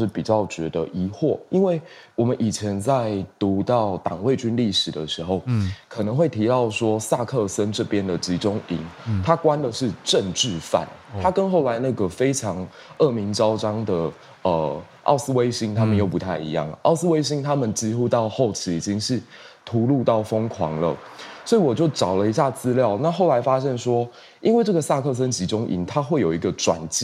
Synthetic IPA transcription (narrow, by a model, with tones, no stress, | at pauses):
ɻ̩˥˩pi˨˩t͡ɕjɑ˥˩ʊt͡ɕɥɛ˧˥d̪ə˧ʔi˧˥xwɔ˥˩i˦˥nwe˥˩ɪwɔ˨˩mə˦nʔi˨˩t͡ɕʰjɛ˧˦nt͡sa˥˩ɪt̪u˨˧˥t̪ɑ˥˩ʊt̪ɑ˨˩ŋwe˥˩ɪt͡ɕy˥nli˥˩ʂɻ̩˨˩d̪ə˦ʂɻ̩˧˥˦xo˥˩ʊkʰɤ˨˩nə˧˥ŋxwe˥˩ɪt̪ʰi˧˥t̪ɑ˥˩ʊʂwɔ˥sa˥˧kʰɤ˥˩sə˦nʈ͡ʂɤ˥˩pjɛ˦nd̪ə˨˩t͡ɕi˧˥ʈ͡ʂʊ˥ŋḭ˧˥˦ŋt̪ʰa˥kwa˦nd̪ə˨ʂɻ̩˥˧ʈ͡ʂə˥˧ŋʈ͡ʂɻ̩˥˨fa̰˥˨˩nt̪ʰa˥kə˦nxo˥˩ʊla˧˦ɪna˥˩ɡə˩fe˥ɪʈ͡ʂʰɑ˧˥ŋ | ɤ˥˩mi˧˥ŋʈ͡ʂɑ˥ʊʈ͡ʂɑ˥ŋd̪ə˨ | ə˩ | ʔɑ̰˥˩ʊsɹ̩˥we˥ɪɕi˥ŋt̪ʰa˥mə˨njo˥˩ʊpu˧˥t̪ʰa˥˩ɪḭ˧˦jɑ̰˥˩ŋ˩ʔɑ̰˥˩ʊs̩˥we˥ɪɕi˥ŋt̪ʰa˥mə˨nt͡ɕi˥xu˥t̪ɑ˥˧ʊxo˥˩ʊt͡ɕʰi˧˥i˨˩t͡ɕi˦˥ŋʂɻ̩˥˩ | t̪ʰu˧˥lu˥˧t̪ɑ˥˩ʊfə˥ŋkʰwɑ̰˧˥˦ŋlə̰˨ | swɔ˧˥i˨wɔ˨˩t͡ɕjo˥˩ʊʈ͡ʂɑ˨˩ʊlə˦i˧˥ɕ̬ja˥˩t͡sɹ̩˥ljɑ˥˨ʊna˥˧xo˥˩la˧˥ɪfa˥ɕjɛ˥˧nswɔ˥ | i˥nwe˥˧ɪʈ͡ʂɤ˥˩ɡə˩sa˥˧kʰɤ˥˩s̬ə˦nt͡ɕi˧˥ʈ͡ʂʊ˥ŋʔḭ˧˩˦ŋt̪ʰa˥xwe˥˩ɪjo˨˩ʊi˧˥ɡə˨ʈ͡ʂwa̰˨˩nt͡ɕi˥